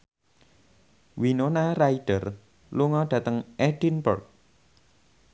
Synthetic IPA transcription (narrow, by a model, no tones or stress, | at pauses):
winonaraiɖ̥ər | luŋɔɖ̥ä̤t̪əŋɛɖ̥inbərk̚